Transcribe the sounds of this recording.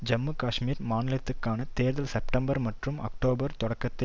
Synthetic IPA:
d͡ʒɐmːɯkaːʂmiːɾmaːnɪlɐt̪ːɯkːaːnɐt̪eːɾðɐlsɛpʈɐmbɐɾmɐʈrɯmɐ̰k̚ʈoːbɐɾt̪ɔɽɐkːɐt̪ːɪ

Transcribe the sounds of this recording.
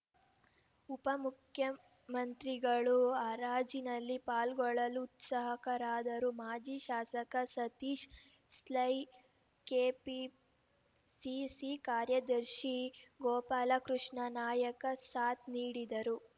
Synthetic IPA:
upɐmukʰjɐ | mɐnt̪ɾiɡɐɭuaɾaːd͡ʒinɐlːipaːlɡɔɭɐluːt̪sɐɦɐkɐɾaːd̪ɐɾumaːd͡ʒiʃaːsɐkɐsɐt̪iːʃ | slɐj | keːpi | sisikaːɾjɐd̪ɐɾʃiɡɔːpaːlɐkɾuʂɳɐnaːjɐkɐsaːt̪niːɽid̪ɐɾu

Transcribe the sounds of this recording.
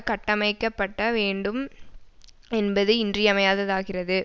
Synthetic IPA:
kɐʈːɐmɐɪkːɐpːɐʈːɐʋeːɳɖɯm | ɛnbɐðɯɪndrɪjɐmɐjaːðɐðaːɣɪrɐðɯ

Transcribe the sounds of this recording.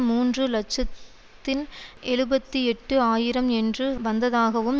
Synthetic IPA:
muːndrɯlɐt͡ʃːɐt̪ː | ɪnɛɻɯbɐt̪ːiɛʈːɯaːjɪɾɐmɛndrɯʋɐnd̪ɐðaːɣɐʋɯm

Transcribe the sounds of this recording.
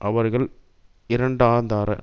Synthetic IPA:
ʔɐʋɐɾɣɐɭ | ɪɾɐɳɖaːɾnd̪aːɾɐ̰

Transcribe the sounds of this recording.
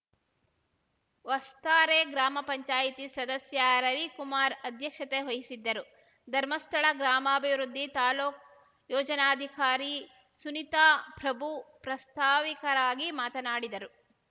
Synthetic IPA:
ʋɐst̪aːɾeːɡɾaːmɐpɐɲt͡ʃaːjit̪isɐd̪ɐsjɐɾɐʋikumaːɾɐd̪ʱjɐkʂɐt̪eɦojisid̪ːɐɾu | d̪ʱɐɾmɐst̪ʰɐɭɐɡɾaːmɐːbʱiʋɾud̪ːit̪aːloːk | jɔːd͡ʒɐnaːd̪ʱikaːɾi | sunit̪aːpɾɐbʱupɾɐst̪ʰaːʋikɐɾaːɡimaːt̪ɐnaːɽid̪ɐɾu

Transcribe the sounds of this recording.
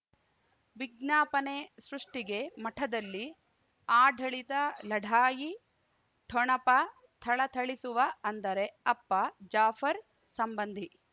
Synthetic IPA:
ʋiɡ̚naːpɐne̞sɾuʂʈiɡe̞mɐʈʰɐd̪ɐlːi | aːɖʱɐɭit̪ɐlɐɖʱaːji | ʈʰoɳɐpɐ | t̪ʰɐɭɐt̪ʰɐɭisuʋɐɐnd̪ɐɾe̞ɐpːɐd͡ʒaːfʰɐɾ | sɐmbɐnd̪ʱi

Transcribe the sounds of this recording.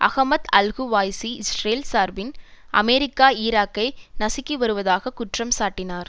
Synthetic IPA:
ʔɐ̰ɣɐmɐt̪ɐlɣuʋaːjsiɪsreːlsaːɾʋɪnʔɐ̰mɛɾɪkːaːiːɾaːkːɐɪnɐsɪkːiʋɐɾɯʋɐðaːɣɐkʊʈrɐmsaːʈːɪnaːɾ

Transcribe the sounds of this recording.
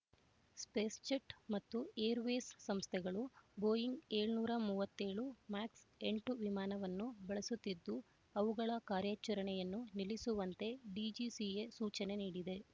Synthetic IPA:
spe̞ːst͡ʃɐʈmɐt̪ːueːɾʋe̞ːsːɐmst̪ʰɛɡɐɭubo̞ːjiŋɡe̞ːɭnuːɾɐmuːʋɐt̪ːe̞ːɭumaːkse̞ɳʈuʋimaːnɐʋɐnːubɐɭɐsut̪ːid̪ːu | ɐʋuɡɐɭɐkaːɾjaːt͡ʃɐɾɐɳɛjɐnːunilisuʋɐnt̪e̞ɖiːd͡ʒisijesuːt͡ʃɐne̞niːɽid̪e̞

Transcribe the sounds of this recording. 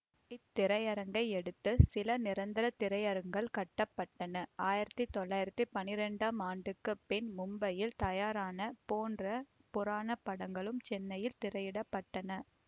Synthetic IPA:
ɪt̪ːɪɾɐjɐɾɐŋɡɐɪɛɽɯt̪ːɯsɪlɐnɪɾɐnd̪ɪɾɐt̪ːɪɾɐjɐɾɐŋɡɐɭkɐʈːɐpːɐʈːɐnɐʔaːjɪɾɐt̪ːit̪ːɔɭːaːjɪɾɐt̪ːipɐnɪɾɛɳɖaːmaːɳɖɯkːɯpɛnmʊmbɐjɪlt̪ɐjaːɾaːnɐpoːndrɐ | pʊɾaːnɐpːɐɽɐŋɡɐɭɯmt͡ʃɛnːɐjɪlt̪ɪɾɐjɪɽɐpːɐʈːɐnɐ

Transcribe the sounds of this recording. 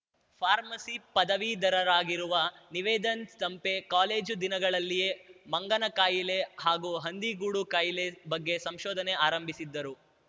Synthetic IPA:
pʰaːɾmɐsipɐd̪ɐʋid̪ɐɾɐɾaːɡiɾuʋɐniʋɛːd̪ɐnst̪ɐmpe̞kaːleːd͡ʒd̪inɐɡɐɭɐlːijemɐŋɡɐnɐkaːjile̞haːɡuɦɐnd̪iɡuːɽukaːjilebɐɡːe̞sɐmʃɔːd̪ʱɐneaːɾɐmbʱisid̪ːɐɾu

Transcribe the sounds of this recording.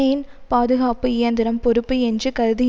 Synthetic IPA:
ɐjɪnpaːðɯɣaːpɯɪjɐnd̪ɪɾɐmpɔɾɯpːɯɛndrɯkɐɾɯðɪ

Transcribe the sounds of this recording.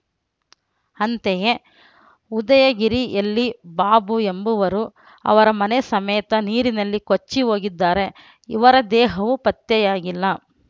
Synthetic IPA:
ɐnt̪eje | ud̪ɐjɐɡiɾiʔɐlːibaːbue̞mbuʋɐɾu | ɐ̰ʋɐɾɐmɐnesɐmɛːt̪ɐniːɾinɐlːikot͡ʃːiɦo̞ːɡid̪ːaːɾe̞ | ḭʋɐɾɐd̪ɛːɦɐʋupɐt̪jɐjaːɡilːɐ

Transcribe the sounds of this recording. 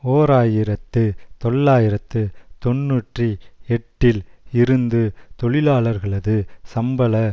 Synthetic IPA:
oːɾaːjɪɾɐt̪ːɯt̪ɔɭːaːjɪɾɐt̪ːɯt̪ɔnːuːʈriɛʈːɪlɪɾɯnd̪ɯt̪ɔɭɪlaːɭɐɾɣɐɭɐðɯsɐmbɐlɐ

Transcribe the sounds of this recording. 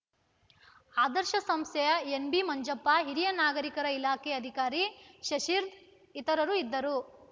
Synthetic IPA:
aːd̪ɐɾʃɐsɐmst̪ʰɛjɐenbimɐɲd͡ʒɐpːaɦiɾijɐnaːɡɐɾikɐɾɐilaːkeɐd̪ʱikaːɾiʃɐʃiːɾd̪ | it̪ɐɾɐɾuid̪ːɐɾu

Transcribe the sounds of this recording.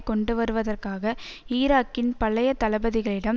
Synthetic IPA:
kɔɳɖɯʋɐɾɯʋɐðɐrkaːɣɐiːɾaːkːɪnpɐɭːɐjɐt̪ːɐlɐbɐðɪɣɐɭɪɽɐm

